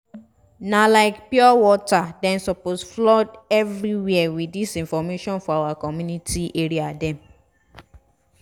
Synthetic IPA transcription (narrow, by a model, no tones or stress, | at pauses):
nalaɪkpjɔwɔtadɛ̃nsɔposflɔdɛvɹiwiɛwiisĩnfɔmeʃɔ̃nfɔawakɔmjunitiʔeɹiadɛ̃m